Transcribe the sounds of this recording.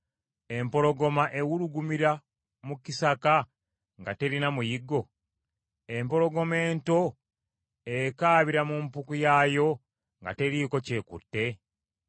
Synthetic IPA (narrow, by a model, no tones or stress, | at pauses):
e̞mpo̞ɾo̞ɡo̞maʔe̞wuɾuɡumiɾa | mukisaka | ŋɡate̞ɾinamujiɡːo̞ | empo̞ɾo̞ɡo̞me̞ːnto̞ | e̞kaːβiɾamumpukujaːjo̞ | ŋɡa̰te̞ɾiko̞ce̞ːkṵtːe̞